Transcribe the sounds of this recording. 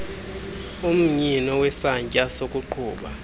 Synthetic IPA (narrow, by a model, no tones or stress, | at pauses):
um̩ɲinɔwɛsaɲcʼasokʼuǃʰuːɓa